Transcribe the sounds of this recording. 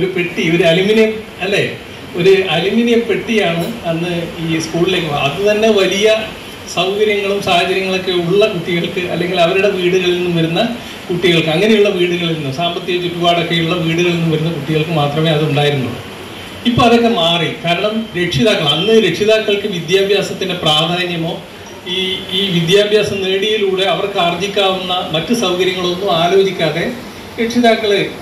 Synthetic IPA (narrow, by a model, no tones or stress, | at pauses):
oɾupeʈːio̞ɾuɐliminɐjɐm | ɐlːe̞ | o̞ɾuɐliminijɐmpe̞ʈːijaːɳɨɐnːɨiːskuːɭilekːo̰ɐðɨt̪ɐnːe̞ʋɐlijɐ | sɐwkɐɾjɐŋːɐɭumsaːhɐt͡ɕɐɾjɐŋːɐɭo̞kːe̞uɭːɐkuʈːiɣɐɭkɨʔɐ̰lːe̞ŋɡilɐʋɐɾuɽe̞ʋiːɽuɣɐɭinːumʋɐɾunːɐ | kuʈːiɣɐɭkɨɐŋːɐne̞juɭːɐʋiːɽuɣɐɭinːumsaːmbɐt̪ːjiɐt͡ɕːupːuʋaːɽo̞kːe̞juɭːɐʋiːɽuɣɐɭinːumʋɐɾunːɐkuʈːiɣɐɭkɨmaːt̪rɐme̞ːɐðɨuɳɖaːjiɾunːṵɽɨ̰ | ipːoɐðo̞kːe̞maːrikaːɾɐɳɐmɾe̞kʂiðaːkːɐɭɐnːɨɾe̞kʂiðaːkːɐɭkɨʋid̪jaːbʱjaːsɐt̪ːindepraːd̪ʱaːnjɐmo̞ː | iːiːʋid̪jaːbʱjaːsɐmneːɽijiluːɽe̞ɐʋɐrkaːrd͡ʑikʲːaːʋunːɐmɐtːɨsɐwkɐɾjɐŋːɐɭo̞nːumaːlo̞ːd͡ʑikʲːaːðe̞ | ɾekʂiðaːkːɐɭɨ